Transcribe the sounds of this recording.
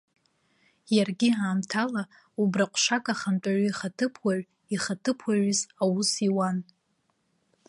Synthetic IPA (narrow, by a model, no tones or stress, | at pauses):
jarɡʲiaːmtʰala | ubraqʷʰʼʂakʼaχant͡pʷʼaʕoiχatʰɨpʰwaʕ | iχatʰɨpʰwaɥzawusiwan